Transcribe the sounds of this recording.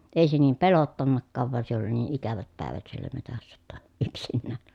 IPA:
ei se niːm pelotːɑnːɑkːɑːʋ ʋɑn se oli niː ʔikæʋæt pæeˑʋæt sielːæ metæsːæ j̆otːɑ yksinːæːn̥

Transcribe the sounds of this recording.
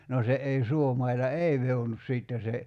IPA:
no se ʔei suomɑilɑ ei ʋehonus siˑtːe se

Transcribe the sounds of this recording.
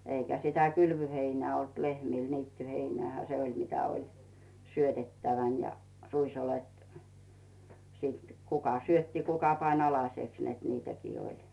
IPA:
eikæ sitæ kylʋyheinæː olt lehmiˑl niːtːyheinĕæˑhæ se olʲ mitæ olʲ syøtetːæʋæn jɑ ruisolet sit kukɑ syøtːi kukɑ pɑnʲ ɑlɑsʲeks net niːtækiː olʲ

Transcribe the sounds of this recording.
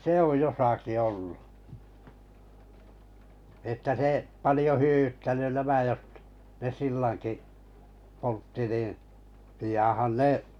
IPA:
se oj josɑki olːu etːæ se pɑlĭjo hyø̆w̆ytːæny næmæ jot ne silːɑŋki poltːi nin̞ pijɑn̞hɑn ne

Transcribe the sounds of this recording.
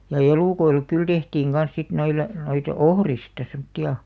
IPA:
jɑ eluˑkoilek kyl tehtiːŋ ɡ̊ɑn̞s sit noile noit ohristɑ semtːiɑ

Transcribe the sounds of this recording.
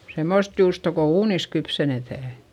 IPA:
semːost juːsto ko uːnis kypsenetæˑ

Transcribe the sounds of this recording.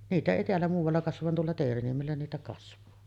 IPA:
niːtæ eˑi teælːæ muːʋɑlːɑ kɑsʋɑʋ ʋɑn tuolːɑ teːriniemelːæ niːtæ kɑsʋˑɑː

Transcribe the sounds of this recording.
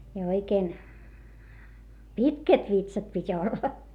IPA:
jɑ oikeːn pitkæt ʋitsɑt pitʲ olːɑ

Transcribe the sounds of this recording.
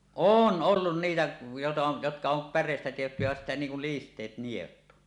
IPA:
oːn olːun niːtæ jotɑ jotkɑ om pærˑeˑistæ tehty jæ sitːæ niːŋ kul listˑeːt nielut

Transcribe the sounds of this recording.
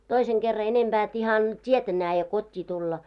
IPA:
toiseŋ ɡ̊erːɑ enemb̥æː et ihɑn tʲietæ næːje kotʲːiː tulːɑ

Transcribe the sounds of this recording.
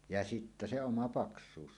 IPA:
jɑ sitːæ se omɑ pɑksˑuːs

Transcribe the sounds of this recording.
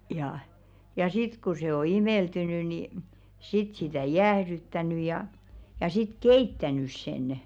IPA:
jɑ jɑ sit ku se o imeˑltyny ni sit sitæˑ jæːhɾytːæny jɑˑ jɑ sit keitːænys senə̆

